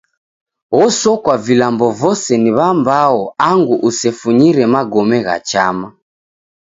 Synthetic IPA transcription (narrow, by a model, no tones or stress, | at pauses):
ɣɔsɔkwavilambɔvɔsɛniβambaɔaŋɡuʔusɛfuɲiɾɛmaɡɔmɛɣa̰t͡ʃama